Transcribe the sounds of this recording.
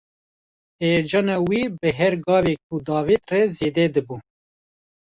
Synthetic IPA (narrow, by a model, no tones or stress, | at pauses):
ed͡ʒɑːnɑːwibɨɦɛɾɡɑːvek̚ʰud̪ɑːviːt̪rɛzeːd̪ɛd̪ɨbu